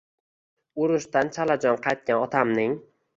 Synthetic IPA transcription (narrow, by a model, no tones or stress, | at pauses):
ʊɾʊʃt̪ant͡ʃʰalad͡ʒɒnqʰɑjt̪̚kʲanɒt̪ʰamnɪŋ